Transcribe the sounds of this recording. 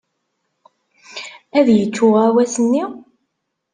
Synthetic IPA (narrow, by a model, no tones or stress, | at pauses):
æðjət͡sːʊʁæwæsənːi